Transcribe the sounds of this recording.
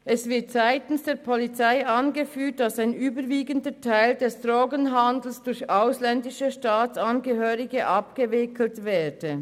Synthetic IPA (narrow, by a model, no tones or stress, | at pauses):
ʔɛsv̥ɪɐtz̥aɪtən̩sd̥eːɐpʰɔlit͡saɪanɡəfyːt̚d̥ɑsaɪnʔyːbəviːɡəndətʰaɪldɛsd̥ʁoːɡənɦandl̩sd̥ʊçaʊslɛndɪʃəʃtaːt͡sanɡəɦøːʁɪɡəʔɑpɡ̥əvɪkl̩tvɛːdə